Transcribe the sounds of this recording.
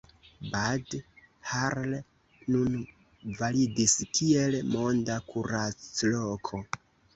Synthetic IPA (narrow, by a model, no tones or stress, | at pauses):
bad | haɾl | nun | validiskie̞lmo̞ndakʰuɾat͡slokʰo̞